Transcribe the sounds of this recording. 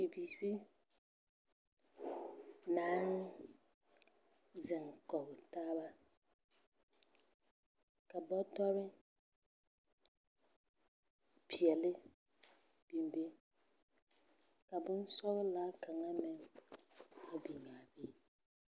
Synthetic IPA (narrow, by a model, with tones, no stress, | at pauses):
i˨biː˨bi˦ | na˨˦n | zɪ˨ŋkɔ˨ɣɪ˨taː˦ba˦ | ka˨bɔ˦dɔ˦ɾɪ˦ | pʰi˨ɛ˨lɪ˦ | b̥i˨m˨be˦ | ka˨bʊ˦n˦sɔ˦ɣla˦ka˨ŋa˦mɪ˨ŋ | a˨bi˨ŋa˨be˦